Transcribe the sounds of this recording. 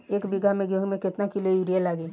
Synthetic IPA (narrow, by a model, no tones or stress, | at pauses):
eːkbiɡʱamẽɡeɦmẽkɪt̪nakilojuɾijalaɡe